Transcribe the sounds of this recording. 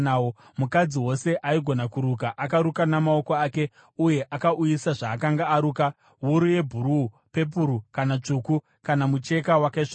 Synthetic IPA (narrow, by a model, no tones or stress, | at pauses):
ao | mukad͡ziwo̞se̞ʔaiɡʱo̞nakuɾukaʔakaɾukanamao̞ko̞aːke̞ | uje̞ʔakaʔujisaʐaːkaŋɡaːɾuːka | wuɾuje̞bʱuɾu | pe̞p̬uɾukanat͡ʂuku | kanamut͡ʃe̞kawakaiʂ